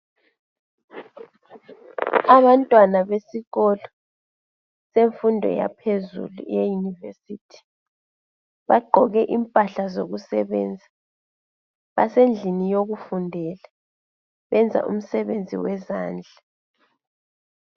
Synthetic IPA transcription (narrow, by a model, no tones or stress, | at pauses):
aβantʼwanaβesiɣɔlɔ | seɱfundʱɔ̰ja̰pʰezṵlṵjejunivesiːtʰi̥ | βaɡ͡ǃʱɔɣɛʔimpʼaɬazoɣusɛβɛ̰ːnd͡zʱa | βa̰send͡ɮʱinijoɣufundʱɛla | βɛnd͡zʱa̰ʔṵm̩sɛβend͡zʱiwɛzaːnd͡ɮʱa